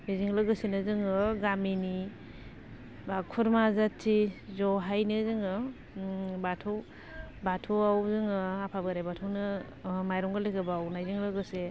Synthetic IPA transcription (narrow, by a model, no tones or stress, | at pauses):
miziŋlɯɡɯsenɯzɯŋɯɡamini | bakʰuɾmazatʰːizɔɦajnɯzɯŋɯ | batʰɯw | batʰuawzɯŋɯapʰabɯɾajbatʰuwnɯ | majɾɔŋɡɯlekʰɯbawnajziŋlɯɡɯse